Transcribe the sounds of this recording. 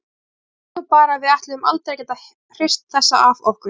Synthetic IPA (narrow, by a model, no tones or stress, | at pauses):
ɔpaːɾavɪðaht̪lɪðʏma̰lt̪ɾɛjcɛnt̪a | r̥ɪr̥st̪θɛsːa̰ʔavɔhkʏ